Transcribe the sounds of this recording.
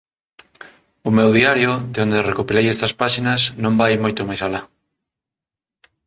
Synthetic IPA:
ʊmewðiaɾjʊðeond̪erekopilejɛst̪ɐspaʃinɐsnõmbajmojt̪omajsala

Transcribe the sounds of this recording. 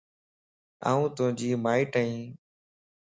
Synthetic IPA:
a̰ːũːt̪ʊɦə̃d͡ʒiːmaːiːʈəːĩː

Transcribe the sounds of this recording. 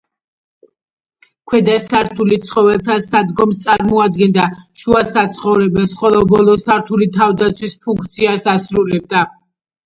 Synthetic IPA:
kʰwɛd̪asaɾt̪ʰulit̪sʰχɔvɛlˠt̪ʰasad̪ɡɔmst̪sʼaɾmɔad̪ɡɛnd̪aʃuasat̪sʰχɔvɾɛbɛnsχɔlˠɔbɔlˠɔsaɾt̪ʰulit̪ʰavd̪at̪sʰwispʰuŋkʰt̪sʰiasasɾulɛb̚d̪a

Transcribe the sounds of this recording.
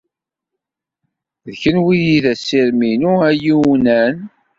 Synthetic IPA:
ðçənwijiðæsːiɾminuæjiwnæn

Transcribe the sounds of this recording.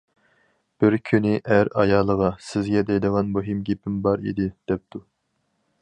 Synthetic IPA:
b̥ɪɾkʲʰynɪʔæɾɑjɑːlˠəʁɑsɪzɡʲɛd̪ɛjd̪əʁɑnmoɦimɡʲepʰɪmbɑɾḭd̪ɪd̪̥ɛp̚t̪ʰu

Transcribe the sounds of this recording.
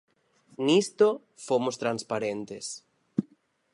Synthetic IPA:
nist̪o | fomost̪ɾanspaɾent̪es

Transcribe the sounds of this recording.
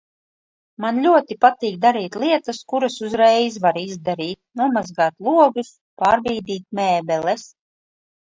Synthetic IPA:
manlʲuɔt̪ipat̪iːk̚d̪aɾiːt̪lˠiɛt̪askuɾasuzɾɛjzvaɾizd̪aɾiːt̪̚nuɔmazɡaːt̪lˠuɔɡɨs | paːɾbiːd̪iːt̪̚mɛːbɛlɛs

